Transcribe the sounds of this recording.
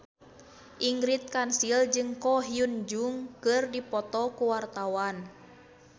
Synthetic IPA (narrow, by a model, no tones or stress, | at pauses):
ʔiŋɡɾit̪̚kansild͡ʒɨŋkɔɦiund͡ʒuŋkɨrdipɔt̪ɔkuwart̪awan